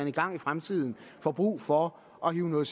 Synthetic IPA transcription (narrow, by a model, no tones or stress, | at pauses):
æniɡ̥ɑ̈ŋ̰ifʁamt͡sʰið̰ˠn̩fɒ̽b̥ʁṵːfɒ̽ | ʔɒ̽hiːʊnɔːð̩ˠs